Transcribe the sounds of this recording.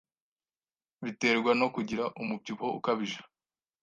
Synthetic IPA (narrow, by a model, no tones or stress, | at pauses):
βite̞ːɾɡwano̞kuɟiɾaʔumub̚tiβo̞ṵkaβiʒḁ